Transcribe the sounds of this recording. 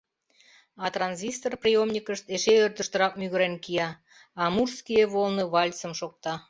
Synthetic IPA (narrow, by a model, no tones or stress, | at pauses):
ɑt̪rɑnzʲist̪orprʲijomnʲikəʃt̪eʃeørt̪əʃt̪ə̆ɾɑk̚myɣəɾenkijɑː | murskijeβolneβɑlʲt͡səmʃok̚t̪ɑ